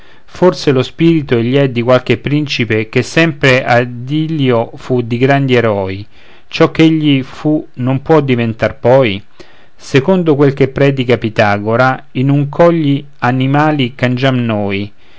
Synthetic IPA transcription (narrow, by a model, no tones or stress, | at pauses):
forselospiːɾit̪oeʎːiɛd̪ikwalk̟epːɾint͡ʃipek̟esːɛmpɾeʔad̪iljofud̪iɡɾand̪ieɾɔːi | t͡ʃɔk̟ːeʎːifunompwɔd̪ːivent̪arpɔːj | sekond̪okwelkepːɾɛːd̪ikapit̪aːɡoɾa | inuŋkʰɔʎːi | animaːlikand͡ʒamnoːj